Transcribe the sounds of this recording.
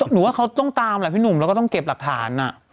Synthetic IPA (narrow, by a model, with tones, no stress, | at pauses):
nɯː˨˩˦waː˥˩kʰa˦˥wt̪ɔ˥˩ŋt̪aː˧ma˧˩pʰiː˥˩nu˨˩mlkɔ˥˩ɔ˥˩ŋke˨˩p̚la˨˩k̚t̪ʰaː˩˦nʔa˨˩